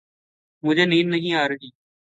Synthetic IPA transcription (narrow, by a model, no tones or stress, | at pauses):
mʊd͡ʒʱeːniːnːəɦĩːaːɾeɡiː